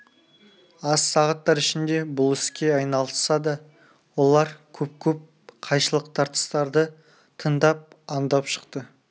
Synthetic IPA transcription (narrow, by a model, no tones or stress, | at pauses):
ɑsːɑʁɑt̪ːɑɾɪʃɪnd̪e̞bʊlˠɪskʲe̞ɑjnɑlˠəsɑd̪ɑ | wo̞lˠɑɾkʲʰɵp̚kʲʰɵp̚ | qʰɑjʃəlˠəqt̪ʰɑɾt̪ə̥st̪ɑɾd̪ə | t̪ʰənd̪ɑp̚ | ɑnd̪ɑpʃə̥qt̪ə